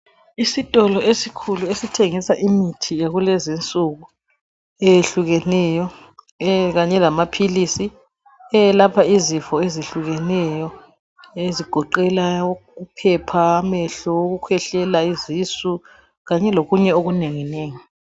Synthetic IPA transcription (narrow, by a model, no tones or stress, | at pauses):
isitʼɔlɔesikʰuluesitʰeŋisaʔimitʰijaɣulɛzint͡sʼuɣu | ejeɬuɣɛnɛjɔ | ɣaɲɛlamapʰilisi | ɛlapʰaizifɔeziɬuɣɛnɛjɔ | eziɡ̥ʱɔǃɛlaupʰɛpʰaːmɛɬɔuɣukʰwɛɬɛlaizisu | ɣaɲɛloɣuɲɛoɣuneŋineːŋi